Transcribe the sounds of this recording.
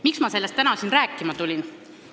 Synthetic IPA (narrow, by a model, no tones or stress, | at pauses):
miksmɑse̞lːest̪ænɑsinɾæːkːˑimɑt̪ulʲin